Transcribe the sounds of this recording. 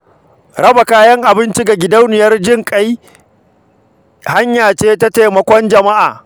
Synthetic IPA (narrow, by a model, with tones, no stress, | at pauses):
ɾɐ˦ba˨kaː˦jɐ˦ŋʔa˨bɪ˦nt͡ʃi˦ɡa˨ɡʲɪ˨da˦wnɪ˨jɐ˦rd͡ʒɪ˦ŋkʼa˦j | ha˦ɲjaː˨t͡ʃeː˦ta˦ta˨mɐ˨kʷɔ˦nd͡ʒɐ˨ma˦ʔa̰ː˨